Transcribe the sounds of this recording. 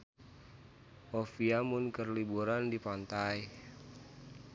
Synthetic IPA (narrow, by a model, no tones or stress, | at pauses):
ʔofiamʊnkərlibuɾandipant̪aj